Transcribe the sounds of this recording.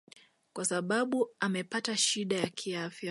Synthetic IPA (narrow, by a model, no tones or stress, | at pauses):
kwasaɓaɓuamɛpataʃiɗajakʰiafja